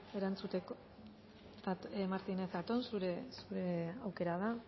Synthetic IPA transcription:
e̞ɾant͡sut̪ek | at̪maɾt̪ine̞θat̪o̞nsuɾesuɾe̞awke̞ɾað̞a

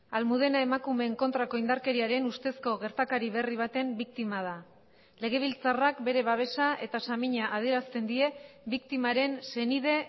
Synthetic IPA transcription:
almuð̞e̞naemakume̞ːŋko̞nt̪ɾako̞ind̪aɾke̞ɾiaɾe̞nust̪e̞sko̞ɣ̞e̞ɾt̪akaɾiβe̞riβ̞at̪e̞mbik̚t̪imað̞a | le̞ɣ̞e̞β̞ilt͡sarakbe̞ɾe̞βaβ̞e̞saʔe̞t̪asamiɲaʔað̞ie̞ɾast̪e̞nd̪ie̞bikt̪imaɾe̞nse̞niðe̞

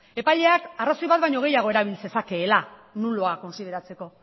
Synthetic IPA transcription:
e̞paʎe̞akaraso̞jβat̪̚βajɲo̞ɣ̞e̞jaɣ̞o̞e̞ɾaβ̞ilse̞sake̞ːlanuloako̞nsið̞e̞ɾat͡se̞ko̞

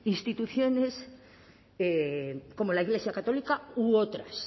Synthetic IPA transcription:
inst̪it̪uθjo̞ne̞s | eko̞molaiɣle̞sjakat̪o̞likauot̪ɾas

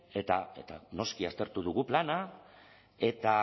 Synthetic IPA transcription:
e̞t̪ae̞t̪ano̞skiast̪e̞ɾt̪uð̞uɣuplana | e̞t̪a

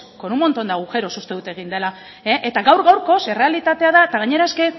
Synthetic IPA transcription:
konumo̞nt̪ond̪aɣuxe̞ɾosust̪e̞ðut̪e̞ɣ̞ind̪ela | eʔet̪aɣawɾɣawɾko̞sere̞alit̪at̪e̞aðaet̪aɣ̞aɲe̞ɾaeske̞

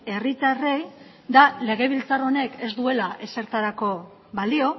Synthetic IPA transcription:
e̞rit̪are̞j | d̪ale̞ɣ̞e̞β̞ilt͡saro̞ne̞ke̞zd̪ue̞laʔe̞se̞ɾt̪aɾako̞ | βalio̞

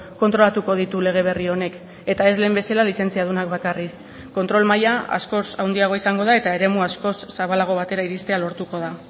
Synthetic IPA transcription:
ko̞nt̪ɾo̞lat̪uko̞ð̞it̪ule̞ɣ̞e̞β̞e̞rio̞ne̞k | e̞t̪ae̞zle̞ːmbe̞salalise̞nt͡siað̞unakβakarikː | o̞nt̪ɾo̞lmajaa̰sko̞sawnd̪iaɣ̞o̞isaŋɡo̞ðae̞t̪ae̞ɾe̞muasko̞sːaβalaɣ̞o̞β̞at̪e̞ɾaiɾist̪e̞alo̞ɾt̪uko̞ð̞a

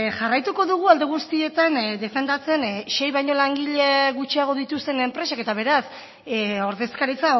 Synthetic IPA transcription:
ʝarajt̪uko̞ðuɣ̞uald̪eɣ̞ust̪ie̞t̪and̪e̞fe̞nd̪at͡se̞nʃe̞jβajɲo̞laŋɡiʎeɣut͡ʃiaɣ̞o̞ð̞it̪ust̪e̞ne̞mpɾe̞sake̞t̪aβ̞e̞ɾas | o̞ɾðe̞skaɾit͡sa

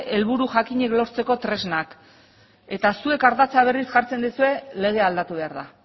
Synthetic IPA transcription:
e̞lβuɾuʝakiɲe̞klo̞ɾt͡se̞ko̞t̪ɾe̞znak | e̞t̪asue̞kaɾðat͡saβ̞e̞risʝaɾt͡se̞nd̪isue̞le̞ɣ̞e̞ald̪at̪uβe̞aɾða

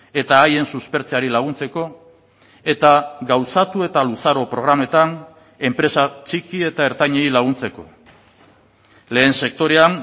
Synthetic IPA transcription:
e̞t̪aːje̞nsuspe̞ɾt͡seaɾilaɣ̞unt͡se̞ko̞ | e̞t̪aɡawsat̪ue̞t̪alusaɾo̞pɾo̞ɣ̞ɾame̞t̪an | e̞mpɾe̞sat͡ʃikie̞t̪aeɾt̪aɲeilaɣ̞unt͡se̞ko̞̰ | le̞ːnse̞k̚t̪o̞ɾe̞an

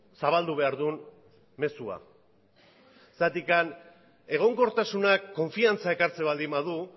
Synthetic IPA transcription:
saβald̪uβe̞aɾðun | me̞sua̰ | esat̪ikan | e̞ɣ̞o̞ŋko̞ɾt̪asunakːo̞ɱfiant͡sae̞kaɾt͡se̞βald̪imaðu

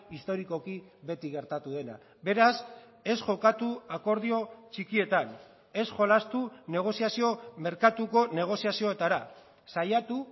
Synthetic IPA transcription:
ist̪o̞ɾiko̞kiβe̞t̪iɣe̞ɾt̪at̪uðe̞na̰ | be̞ɾas | e̞sʝo̞kat̪uako̞ɾðio̞t͡ʃikie̞t̪an | e̞sʝo̞last̪une̞ɣ̞o̞sijasio̞me̞ɾkat̪uko̞ne̞ɣ̞o̞siasio̞et̪aɾa | sajat̪u

